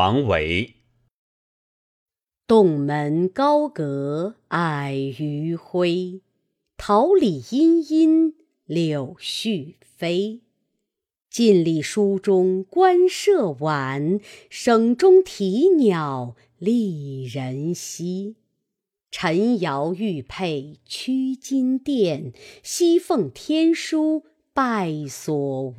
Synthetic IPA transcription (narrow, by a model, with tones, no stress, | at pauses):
ɑ˧˥ŋwḛ˧˥ɪ | t̪ʊ˥˩ŋmə˧˥nkɑ˥ʊkɤ˧˥a˥˩ɪy˧˥xwe˥ɪ | t̪ʰɑ˧˥ʊli˨˩i˥ni˥n | ljo˨˩ʊɕy˥˩ | fe˥ɪ | t͡ɕi˥˧nli˥˩ʂu˥ʈ͡ʂʊ˥ŋkwa˥nʂɤ˥˩wa˨˩˦nʂɤ˨˩ŋʈ͡ʂʊ˥ŋt̪ʰi˧˥njɑ˨˩ʊ | li˥˧˩ɻə˧˥nɕi˥ | ʈ͡ʂʰə˧˥ŋjɑ˧˥ʊy˥˧pʰe˥˩ɪt͡ɕʰy˥t͡ɕi˥nt̪jɛ˥˩nɕi˥fɤ˥˩ŋt̪ʰjɛ˥nʂu˥ | pa˥˩ɪswɔ˨˩